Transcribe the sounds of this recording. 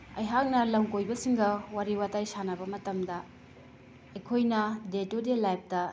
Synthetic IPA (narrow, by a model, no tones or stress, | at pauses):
ɐjɦak̚nɐlɐmkojbɐsiŋɡɐwaɾiwatajsanɐbɐmɐtɐmdɐ | ekʰojnɐdetodelajp̚dɐ